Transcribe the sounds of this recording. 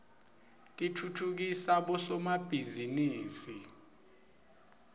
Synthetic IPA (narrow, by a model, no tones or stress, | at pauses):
k̬ʼitʰutʰuk̬isaɓɔsɔmab̥ʱiziniːsi